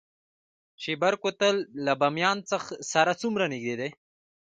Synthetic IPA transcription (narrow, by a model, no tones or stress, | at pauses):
ʃibaɾkot̪əlːabamjɑːnt͡səxsaɾat͡sumɾaniɡ̚d̪ed̪e